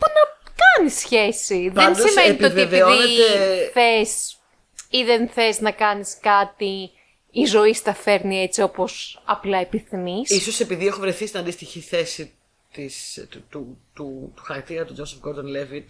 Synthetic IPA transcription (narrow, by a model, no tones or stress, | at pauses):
punɐkɐnisçe̞siðensd̪ismeneitpeoveveioðinet̪eθes | iðenθe̞znɐkɐniskɐt̪iː | zo̞ist̪ɐfe̞ɾnie̞t͡sio̞po̞sɐ̰plɐepiθimisiso̞se̞piðiexovɾeθist̪inɐnd̪ist̪içiθe̞si | t̪ist̪ut̪ut̪u̥xɐɾɐk̚t̪iɾɐt̪ud͡ʒosefɡod̪ɐnlevi